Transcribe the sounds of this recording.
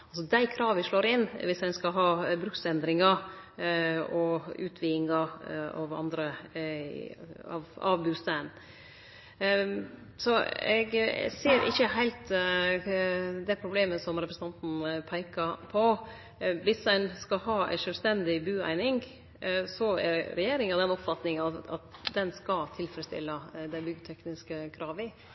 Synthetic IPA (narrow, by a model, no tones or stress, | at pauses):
ɑls̬ɔd̪æɪkʰɾɑːʋʋɪʂɭoːɾɪnʋɪsæɪnskɑɦɑːbɾʉksɛnd̪ɾɪŋɑ | ɔʉ̰ːt̪ʰʋiːɪŋɑɑ̰ʋɑ̰nd̪ɾə | ɑʋɑ̰ʋbʉːst̪æn | sɔɛɡseːɾʔɪ̰çəɦæɪlt̪ | d̪ɛpʰɾʊbleːməsɔmɾɛpɾəsn̩ɑnt̪n̩pʰæɪkɑpʰɔ | ʋɪsdæɪnskɑɦɑːæ̰ɪʂœlst̪ɛnd̪ɪbʉːæ̰ɪnɪŋ | sɔæ̰ɾɾɛjeːɾɪŋɑd̪ɛnɔpfɑt̪nɪŋəɑɑ̰t̪d̪ɛnskɑlt̪ʰɪlfɾəst̪ɪ̰lːɑd̪æɪbʏɡt̪ʰɛknɪskəkʰɾɑːʋɪ